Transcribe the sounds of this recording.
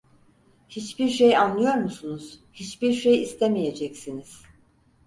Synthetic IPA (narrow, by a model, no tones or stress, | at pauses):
hit͡ʃbiɾʃejanlˠɯjo̞ɾmusunuz̥hit͡ʃbiɾʃejist̪ʰemije̞d͡ʒɛcsiniz̥